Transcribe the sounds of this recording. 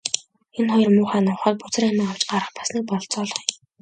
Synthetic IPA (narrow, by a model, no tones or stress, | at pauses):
enχɔjɞ̆rmʊːχaːnʊwχəːt̪̚pʊt͡sə̆ramiːŋaw̥t͡ɕɢaɾə̆χpḁsniːk̚pɔɮt͡sɔːɮɞ̆χ